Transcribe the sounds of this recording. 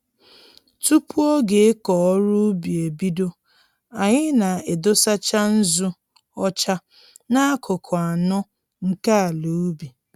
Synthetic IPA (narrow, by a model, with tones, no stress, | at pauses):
tu˦pu˦ɔ˦ɡe˨e˦kɔ˨ɔ˦ɾu˦bi˨e˨bi˦do˦ | a˨ɲɪ˦na˨e˨do˦sa˦t͡ʃa˦n̩˦zu˦ | ɔ˦t͡ʃa˦ | na˦a˦kʰʊ˨kʰʊ˨a˨nɔ˦ | ŋ̩˦ka˦a˨lu˨u˦bi˨